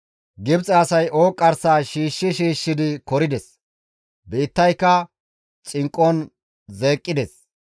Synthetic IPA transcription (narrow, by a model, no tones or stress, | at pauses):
ɡɪbt͡sʼɐɐsɐjʔo̞ːkʼːɐɾsaːʃiːʃːɪʃiːʃːɪd̪ɪkɔɾɪd̪ɛs | beːt̪ːɐjkːɐ | t͡ʃʼɪŋkʼːɔn | ze̞ːkʼːɪd̪ɛs